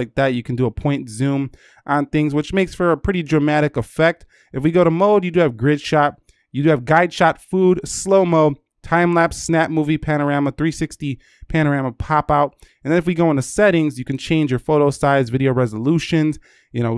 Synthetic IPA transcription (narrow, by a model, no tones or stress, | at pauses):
ɪk̚ðæt̚jɨkʰn̩dɨəpʰɔ̃ɪ̃ntzũm | ʔə̃nθɪ̃ŋzwɨt͡ʃmeɪksfə˞ɨpʰɹ̥ɪɾidɹɨmæɾɨkɨfɛk̚t | ɨfwiɡoʊɾəmoʊdjɨdɨɨvɡɹɪd̥ʃɑt̚ | jɨdɨɨvɡaɪd̥ʃɑtfudsloʊmoʊd̚ | tʰãɪ̃mlæpsnæp̚muvipʰænə˞æməθɹisɪksti | pʰæɾ̃ə˞æməpʰɑpaʊt̚ɨ̃n̩ðɨnɨfwiɡoʊə̃nɨsɛɾɪ̃ŋzjɨkɨ̃n̩t͡ʃʰẽɪ̃nd͡ʒə˞foʊɾoʊsaɪzvɪɾioʊɹɛzəluʃɨ̃nz | jɨnoʊ